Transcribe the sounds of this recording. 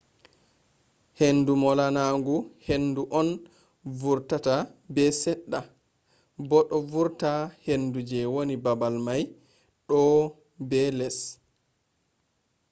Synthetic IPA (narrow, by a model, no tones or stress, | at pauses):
henːdumɔlanaŋɡuhenduʔɔn | vuɾtatabɛsɛɗːa | bɔɗɔvuɾtahendud͡ʒɛwonibabalmaj | ɗɔ | bɛlɛs